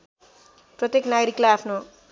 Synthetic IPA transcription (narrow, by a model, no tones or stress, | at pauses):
prʌt̪jeknaɡɾiklaapʰno